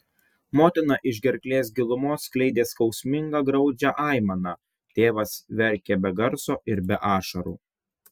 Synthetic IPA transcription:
moːt̪ʲɪnɑʔɪʒʲɡʲɛɾʲklʲeːs̬ɡʲɪlˠʊmoːsklʲɛɪd̪ʲeːskɒʊsʲmʲɪŋɡɐɡɾɒʊd͡ʒʲæʔɑˑɪmɐnɑː | t̪ʲeːʋɐsʋʲɛɾʲˑkʲebʲɛɡɐɾsoːʔɪɾbʲɛʔɑːʃɐɾṵː

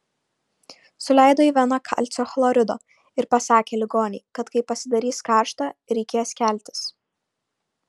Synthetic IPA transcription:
sʊlʲɛˑɪd̪oːiʋʲɛnɐkʰɐ̰lʲt̪sʲoːxlˠoːɾʲɪd̪o̰ː | ɪɾpɐsɑːkʲeːlʲɪɡoːnʲɛɪkɐt̪kɐɪpɐsʲɪd̪ɐɾʲiːskɑːˑɾʃt̪ɑɾʲɛɪkʲeːjskʲæˑlʲt̪ʲɪ̥s

